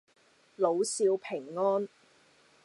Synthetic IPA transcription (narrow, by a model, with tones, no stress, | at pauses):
lo˨˧wsiː˧wpʰɪ˨˩ŋːɔː˥n